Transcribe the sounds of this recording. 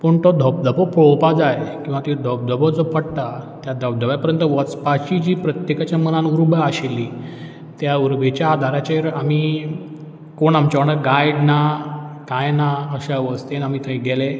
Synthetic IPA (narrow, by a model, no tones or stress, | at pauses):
pəɳt̪ɔd̪ʱəb̚d̪ʱəbɔpɭopad͡zajkĩw̃ʋat̪id̪ʱəb̚d̪ʱəbəd͡zɔpəɽt̪at̪jad̪ʱəbd̪ʱəbjapəɾjənt̪əʋət͡spaɕid͡ʑiːpɾət̪jekat͡ɕjamənanuɾbəaɕelːi | t̪jauɾbʱet͡ɕjaːd̪ʱaɾat͡ɕaiɾamiː | koɳamt͡ɕaʋɳaɾɡajɖnakajnaəɕaʋəst̪enam̤it̪ʰə̃iɡele